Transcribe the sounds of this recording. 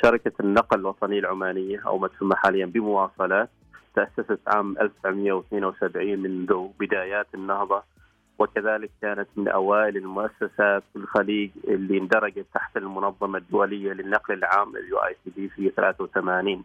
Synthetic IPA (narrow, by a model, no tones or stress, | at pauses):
ʃɑɾˤɪkanːɑqlɪlwɑt̪ˤɑnɪjːalʕʊmaːnɪjːaʔa̰wmat̪hamːaħaːlɪjːanbɪmʊwɑːsˤɑlɑ | t̪ːʔasːasat̪ʕa̰ːmʔa̰lfsaʕmɪjːawɪθneːnawsabʕiːnmɪnðʊbɪd̪aːjaːt̪ɪnːɑhðˤɑ | wɪkaðaːlɪkːaːnat̪mɪnʔa̰waːʔɪlɪlmʊʔasːasaːt̪wɪlxaliːɡɪlːind̪ɑɾˤɑɡat̪ːaħt̪almʊnɑðˤːɑmad̪ːʊwalɪjːalɪnːɑqlɪlʕaːmɪ̰ljṵʔa̰jsiːd̪iːfijːaθalaːθawθamaːniːn